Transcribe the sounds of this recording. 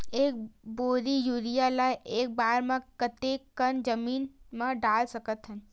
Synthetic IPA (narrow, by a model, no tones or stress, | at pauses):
eːk̚boːɾijuːɾijalaːjeːk̚baːɾmãkət̪ekːənd͡ʒəmiːnmãɖaːlsəkət̪ɦən